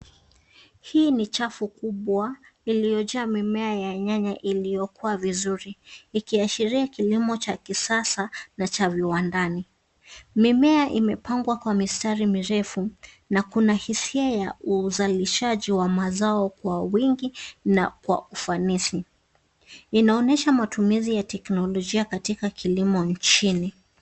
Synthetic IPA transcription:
hiːnit͡ʃafukuɓwailijɔd͡ʒaamimɛajaɲaɲaʔilijɔkuavizuɾiːkiaʃiɾiakilimɔt͡ʃakisasanat͡ʃaviwandani | mimɛaʔimɛpaŋɡwakwamistaɾimiɾɛfu | nakunahisiajauzaliʃaʄiwamazaɔkwawiŋɡinakwa̰ufanisi | inaɔnɛʃamatumizijatɛknɔlɔʄiakatikakʰilimɔɲt͡ʃini

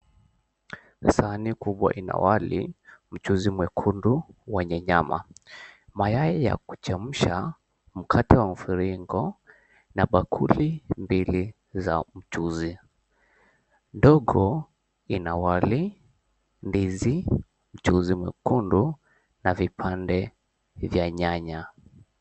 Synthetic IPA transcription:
sanikuɓwa̰ʔina̰walḭm̩t͡ʃuzimwɛkʰunduwɛɲɛɲama̰ | majaɛja̰ku̥t͡ʃam̩ʃa | m̩kʰatɛwam̩fiɾiŋɡɔ | naɓakʰulimbili | za̰m̩t͡ʃuzi | ndɔɡɔ | inawali | ndizi | m̩t͡ʃuzimwɛ̰kundu | navipʰandɛ | vjaɲaɲa

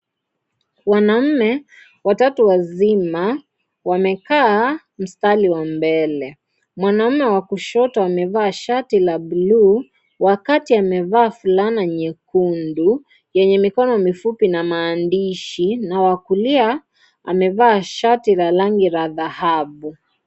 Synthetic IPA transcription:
wanam̩mɛ | watatuwazima | wamɛkaː | m̩staliwambɛlɛ | mwanam̩mɛwakuʃɔtɔamɛvaːʃatilabulu | wakatiamɛvaːfulanaɲɛkundu | jɛɲɛmikɔnɔmifupinamaːndiʃinawakulia | a̰mɛvaːʃatilalaŋɡiɾaðahabu

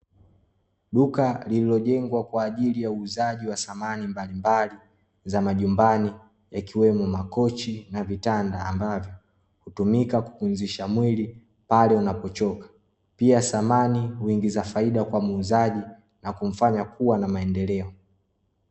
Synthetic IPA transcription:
ɗukalililɔʄɛŋɡwakwaːʄilijauːzaʄiwasamanimbalimbali | zamaʄumbani | jakiwɛmɔmakɔt͡ʃinavitandaːmbavjɔ | hutumikaku̥funziʃamwili | palɛunapɔt͡ʃɔkḁ | piasamanihwiŋɡizafaiɗakwamuːzaʄi | nakum̩faɲakuwanamaɛndɛlɛɔ

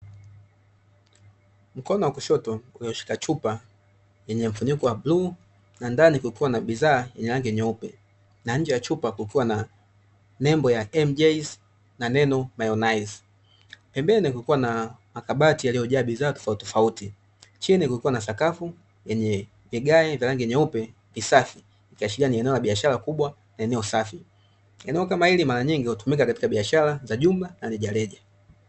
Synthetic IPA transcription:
m̩kɔnɔwakɔʃɔtɔuliɔʃi̥kat͡ʃupa | jɛɲɛm̩funikɔwablu | nandanikuikiwanaɓizaːjɛɲɛlaŋɡiɲɛupɛ | naɲ̩d͡ʒɛjat͡ʃupakukiwana | nɛmbɔjaɛmd͡ʒɛz | nanɛnɔmajɔnajz | pɛmbɛnikuikiwanamakaɓatijaliɔʄaːɓizaːtɔ̥fautɔfauti | t͡ʃinikukiwanasakafu | jɛɲɛ | viɡaɛvjalaŋɡijɛɲɛupɛ | visafi | ikiaʃilianiɛnɛɔlaɓiaʃaɾakuɓwa | naɛnɛɔsafi | ɛnɛɔkamahilimaɾaɲiŋɡihutumik̬akatikaɓiaʃalazaʄumlanalɛʄalɛʄa

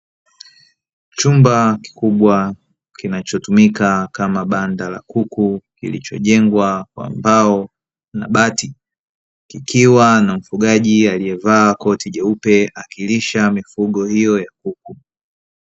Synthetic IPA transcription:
t͡ʃumbaki̥kuɓwa | kinat͡ʃɔtumikakamaɓandala̰kukukḭlḭt͡ʃɔ̰ʄɛŋɡwakwa̰mbaɔ | na̰ɓati | kikiwanam̩fuɠaʄialijɛvaːkɔtiʄɛupɛakiliʃamifuɠɔhijɔjakuk̚u

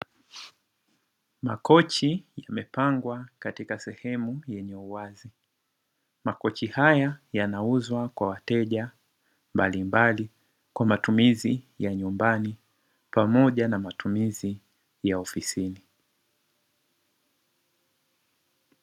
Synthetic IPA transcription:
makɔt͡ʃijamɛpaŋɡwakatikasɛhɛmujɛɲɛuwazi | makɔt͡ʃihajajanauzwakwawatɛʄa | mbalimbali | kwamatumizi | jaɲumbani | pamɔʄanamatumizi | jaɔfisini

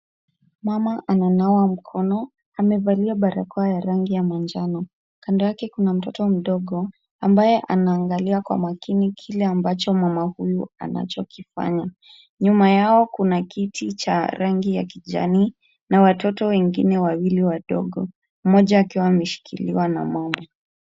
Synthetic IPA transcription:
mamaʔananauam̩kʰɔnɔ | amɛvaliaɓaɾa̰kɔajaɾaŋɡijamand͡ʒanɔ | kandɔjakɛkunam̩tɔtɔm̩ɗɔɠɔ | ambajɛʔanaːŋɡaliwakwa̰makinikʰilɛambat͡ʃɔmwamahujua̰na̰t͡ʃɔkifa̰ɲa | ɲumajaɔkunakitʰit͡ʃa̰ɾaŋɡija̰kiʄa̰niː | nawatɔtɔwɛŋɡinɛwawiliwaɗɔ̰ɡɔ | m̩mɔʄaːkiwaːmɛʃi̥kʰiliwana̰mwama

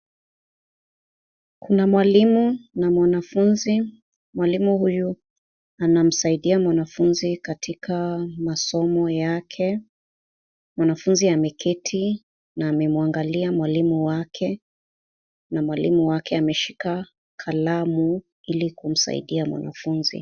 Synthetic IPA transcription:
kʰunamwalimunamwanafunzi | mwalimuhuju | anam̩saiɗiamwanafunzikatʰikʰamasɔmɔjakʰɛ | mwanafunziamɛkʰitʰi | naːmɛmuaŋɡaliamwalimuwakʰɛ | namwalḭmuwakɛamɛʃika | kʰalamu | ilikum̩sa̰ḭɗiamwa̰na̰funzḭ

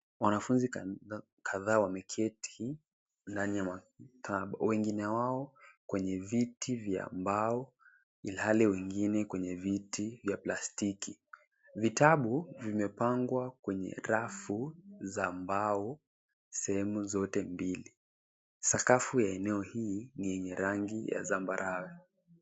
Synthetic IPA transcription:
wanafunzi | kʰaðaːwamɛkʰɛti | ndanijama | kaɓawɛŋɡinɛwaɔkwɛɲɛvitivja̰mbaɔ | ilhalɛwɛŋɡinɛkwɛɲɛvitivjaplastiki | vitaɓuvimɛpaŋɡwakwɛɲɛ̰ɾafuzambaɔ | sɛhɛmuzɔtɛmbili | sakafujaɛnɛɔhiːnijɛɲɛɾaŋɡija̰zambaɾʔawɛ

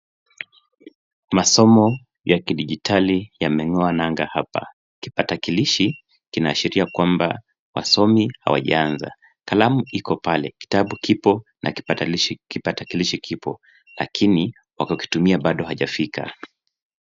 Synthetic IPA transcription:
masɔmɔ | jakiɗiʄitʰalijamɛŋɔanaŋɡahapa̰ | ki̥patakiliʃi | kinaːʃiɾiakwamba̰ | wa̰sɔmiha̰wa̰ʄa̰anza̰ | kalamuikɔpalɛki̥taɓukipɔnʔa̰ki̥paʃkipatakiliʃikʰipɔ | la̰kʰini | wakɔki̥tumiaɓaɗɔhaʄafika̰

